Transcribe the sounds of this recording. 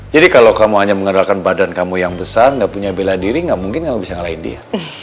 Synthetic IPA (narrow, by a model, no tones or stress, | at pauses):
d͡ʒadikalawkamuɦaɲaməŋadalkanbadankamujaŋbəsarŋɡaʔpuɲabeladiɾiŋɡaʔmuŋkɪnkamubisaŋəlaɪndḭa